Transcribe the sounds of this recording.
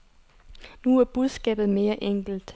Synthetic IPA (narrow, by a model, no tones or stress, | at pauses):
nuæɐb̥uð̞ˠsɡ̥ɛ̰ːb̥ð̞̩ˠme̝ːɐʔeŋ̰ɡ̥l̩d̥